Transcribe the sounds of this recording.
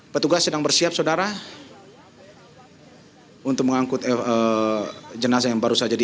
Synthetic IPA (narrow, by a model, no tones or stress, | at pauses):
pət̪uɡasːədaŋbərsiap̚sadaɾa | unt̪ʊk̚məŋaŋkʊt̪ə | d͡ʒənas̬ajaŋbaɾusad͡ʒadi